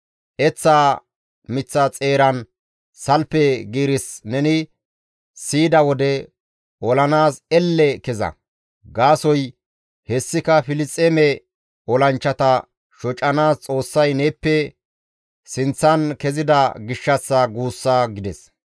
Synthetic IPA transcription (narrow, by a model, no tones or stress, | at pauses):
ʔɛt͡sːaː | mɪt͡sːɐt͡sʼe̞ːɾɐn | sɐlpɛɡiːɾɪsnɛnɪ | siːd̪ɐwɔd̪ɛ | ʔɔlɐnaːsɛlːɛkɛzɐ̰ | ɡaːsɔj | hɛsːɪkɐfɪlɪt͡sʼːemɛ | ɔlɐnt͡ʃːɐt̪ɐ | ʃɔt͡ʃʼːɐnaːst͡sʼo̞ːsːɐjnɛːpːɛ | sɪnt͡sːɐnkɛzɪd̪ɐɡɪʃːɐsːɐɡuːsːaɡɪd̪ɛs